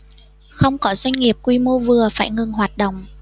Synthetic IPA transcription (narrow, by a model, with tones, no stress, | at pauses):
xə˧wŋ͡mkɔ˨˦zwa˧jŋ̟ŋi˨˩əp̚kwi˧mo˧vɨ˨˩əfaː˧˩jŋɨ˨˩ŋɦwaː˨˩t̚ɗə̰˧˨wŋ͡m